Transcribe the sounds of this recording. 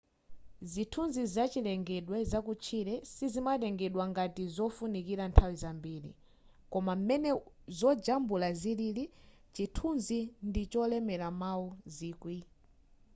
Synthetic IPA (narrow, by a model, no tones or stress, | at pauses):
zitʰunzizat͡ʃilɛŋɡɛɗwɛzakut͡ʃʰiɾɛsizimatɛŋɡɛɗwaŋɡatizɔfunikiɾantʰawizambiːɾḭ | kɔmam̩mɛnɛ | zɔd͡ʒambulazilili | t͡ʃitʰunzindit͡ʃɔlɛmɛɾamauziːkwi